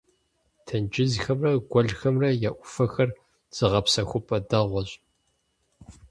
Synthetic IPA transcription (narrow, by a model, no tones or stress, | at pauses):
tʰɐnd͡ʒɪzxɐmrɐɡʷɔɮxɐmrɐjaʔʷʊfɐxɐr | z̥ɨʁɐpsɐxʷʊpʼɐdɐʁʷɔɕʼ